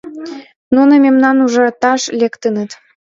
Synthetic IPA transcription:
nunə̆mʲemnɑnuʒɑt̪ɑʃlʲekt̪ə̆nə̆t̪

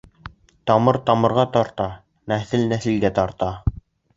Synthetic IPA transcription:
t̪ɑmɤɾt̪ɑmɤ̆ɾʁɑt̪ɑɾt̪ɑ | næθɘlnæθɘlɡ̪æt̪ɑɾt̪ɑ

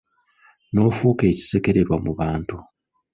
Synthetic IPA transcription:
no̞ːfuːke̞ːci̥seke̞ɾe̞ɾwamuβaːntu

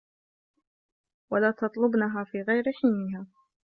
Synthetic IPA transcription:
walaːt̪ɑt̪ˤlʊbnaɦaːfiːɣajɾɪħiːnɪɦaː

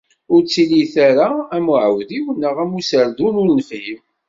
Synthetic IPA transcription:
ʊɾt͡sːiliθaɾaæmʊʕəwðiwənːəʁæmusəɾd̪unʊɾnəfhim

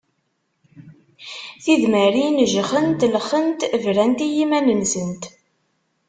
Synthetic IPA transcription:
θiðmæɾinəʒχənt̪ləχənt̪vɾænt̪ijimænənsənt̪

